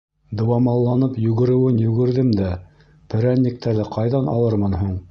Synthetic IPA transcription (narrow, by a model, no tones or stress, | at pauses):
d̪ɤ̆wɑmɑlˠːɑnɤpjɵ̆ɣɘ̆ɾɘ̆wɘnjɵ̆ɡɘ̆ɾðɘmd̪æ | pɘ̆ɾænːik̚t̪ʰæɾðɘqɑjðɑnɑ̰lˠɤɾmɤnɦuɴ